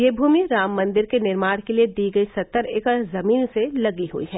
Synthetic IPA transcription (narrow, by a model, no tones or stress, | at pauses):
jeːbʱuːmiɾaːmːɐ̃nd̪ɪɾkenɪɾmaːɽ̃kelied̪iːɡəisɐt̪ːəɾeːkəzɐmiːnselɐɡiɦṵḭɦɛː